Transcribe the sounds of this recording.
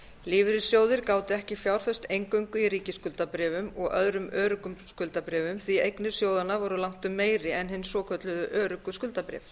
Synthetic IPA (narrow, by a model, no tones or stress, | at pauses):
liːvɾɪsjoːwðɪɾkaːwt̪ɪɛhcɪfjaːwɾ̥fœst̪ejŋkœɥŋkʏiɾiːcɪskʏlt̪apɾɛːvʏmɔɣœðɾʏmœːɾʏkʏmskʏlt̪apɾɛːvʏmθiejknɪɾ̥sjoːwðanavɔɾʏlawŋ̥t̪ʏmːeːjɾɪɛnɦɪnːsɔːkʰœt̪lʏðʏʔœːɾʏkʏskʏlt̪apɾɛ̰ːv